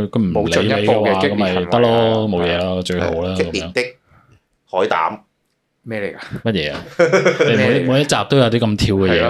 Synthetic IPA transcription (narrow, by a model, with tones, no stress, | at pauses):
kʰɵ˨˧ɥm̩˨˩mo˨˧le˨˥ke˨jɛ˧wːkɐ˨˦˥mhɐ˨jt̪ɐ˥k̚lɔː˥mo˨˧wjɛː˨˧laː˧t͡ʃɵ˧ɥɦo̰˨˧˨wlaː˥kɐ˨˦i˨jœː˧˥ŋt̪ɪ˥k̚ | hɔː˨˥jt̪a̰ː˨˥m | mɛː˥˨˩a˧mɐ˥t̚jɛː˨˧a˨e˨˧mu˨˧jmuː˨˧jɐ˥t̚t͡saː˨p̚t̪o˥wjɐ˨˧wt̪i˥kɐ˧mt̪ʰiː˧wkɛː˧jɛː˨˧